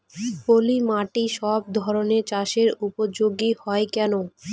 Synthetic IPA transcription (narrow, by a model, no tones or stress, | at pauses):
polimaʈiʃɔb̚d̪ʱɔɾoneɾt͡ɕaʃeɾupod͡ʑoɡihɔekɛno